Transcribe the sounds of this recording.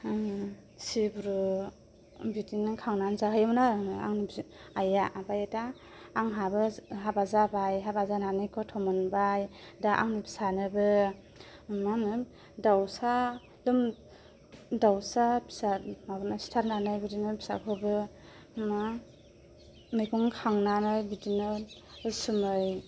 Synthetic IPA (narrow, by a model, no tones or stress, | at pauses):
sibuɾu | bitinɯkʰaŋnanzaɦɯjmnaɾŋɯa̰ŋnibajaʔabajataː | ŋɦabɯɦabazabajɦabazananɯkʰɔtʰɔmɯnbajdaʔa̰ŋnibi̥sanɯbɯ | mamɯ | dawsa | lum | dawsabi̥samabnastʰaɾnanɯjbidinɯpi̥sa̰kʰɔbɯ | ma | mɯjkʰuŋkʰaŋnanɯjbidinɯ | sumɯj